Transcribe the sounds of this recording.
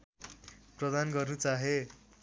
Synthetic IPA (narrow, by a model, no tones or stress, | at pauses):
prʌd̪anɡʌrnut͡saɦe